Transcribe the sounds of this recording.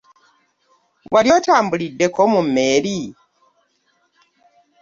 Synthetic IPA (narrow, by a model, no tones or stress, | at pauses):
waljo̞taːmbulidːe̞komumːe̞ːɾi